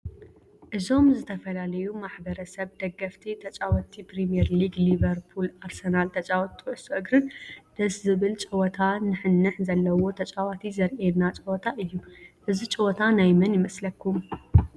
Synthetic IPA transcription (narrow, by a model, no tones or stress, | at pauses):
ʔɨzo̞mzɨt̪ʰɐfɐlalɐjumaħbɐɾɐsɐβd̪ɐɡːɐft̪ʰit̪ʰɐt͡ʃʼawɔt̪ʰipɾimijɛɾliɡliβɐɾpʰulaɾsɐnalt̪ʰɐt͡ʃʼawɐt̪ʰːiʕɨsoʔɨɡɾɨnd̪̥ɐszɨβɨlt͡ʃʼɐwɔt̪ʰanɨħɨnːɨħzɐlːɐwo̞t̪ʰɐt͡ʃʼawat̪ʰizɐɾʔenat͡ʃʼɨwɔt̪ʰaʔɨjːuʔɨzit͡ʃʼɨwɔt̪ʰanajmɐnjɪmɐslɐkʰːum